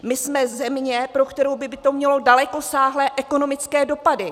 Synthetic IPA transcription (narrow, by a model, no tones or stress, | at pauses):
mɪsmɛzɛmɲɛpɾo̞kt̪ɛɾowbɪbɪt̪o̞mɲɛlo̞dalɛko̞saːɦlɛːʔɛko̞no̞mɪt͡skɛːdo̞padɪ